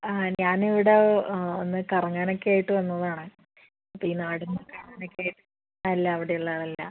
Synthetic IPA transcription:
aɲaːniʋiɽeonːɨkɐrɐŋːaːno̞kːeaːjiʈːɨʋɐnːɐðaːɳɨ | pːiinːaːɽenːɐkɐrɐŋaːnokːeaːjiʈːɨ | aɐlːɐːʋiɽejuɭːaːðɐlːɐ̰

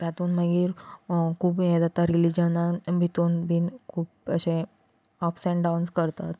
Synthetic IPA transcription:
t̪jat̪uːnməɡiːɾkʰuːpjẽd̪at̪aɾilid͡ʑənabʱit̪uːnbʱiːnkʰuːp̚əɕẽ | ɔfsɛ̃ɳɖawnskəɾt̪at̪

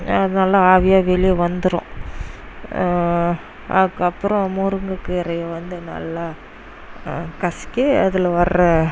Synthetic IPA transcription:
ɐðɐnaːlaaːʋɪjaːʋɛlɪjeʋɐnd̪ɯɾõ̰ | ʔɐ̰ðɯkːɐpːɯɾɔ̃mʊɾɯŋɡɯkːɯɪɾɐjɐʋɐnd̪ɯnɐ̰lːa | kɐsɪ̥kːɯɐ̰ðɪlɐʋɐɾɾɐ

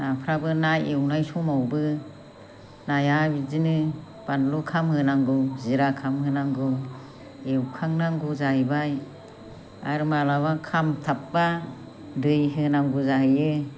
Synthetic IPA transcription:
napʰɾabɯnajewnajsɔmawbɯ | najabizinɯ | b̥anlukʰamhɯnaŋɡɯwziɾakʰamhɯnaŋɡɯ | ewkʰaŋnaŋɡuzahɯbaj | aɾmalawakʰamtʰap̚ba | dɯjɦɯnaŋɡuzahɯjɯ

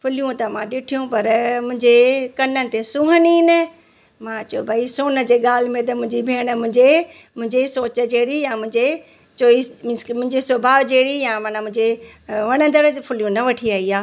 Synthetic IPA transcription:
pʰʊlijũt̪ɐmãɗɪʈʰijũpɐɾmʊ̃ɦɪɲd͡ʑekɐnənɪ̆t̪esũːɦəninɪ̆ | mãt͡ɕɐobʱaːisoːnə̆d͡ʑeːɠaːl̤ɪ̆mẽt̪ɐmʊ̃ɦɪ̃ɲd͡ʑibʱeːɽ̃ə̆mʊ̃ɦɪ̃ɲd͡ʑe | mʊ̃ɦɪ̃ɲd͡ʑesoːt͡ɕə̆d͡ʑeːɽijãmʊ̃ɦɪ̃ɲd͡ʑe | t͡ʃoːimʊ̃ɦɪ̃ɲd͡ʑesobʱaːʋd͡ʑeːɽijãːmaːnãmʊ̃ɦɪ̃d͡ʑeʋɐɽ̃ə̃nd̪əɾəd͡ʑpʰʊljũnɐʋɐʈʰiaːiaː

